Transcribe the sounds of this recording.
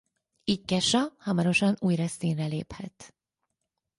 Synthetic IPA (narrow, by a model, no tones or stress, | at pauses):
ickɛʃɒhɒmɒɾo̞ʃɒnuːjrɛsiːnrɛlḛːphɛt̪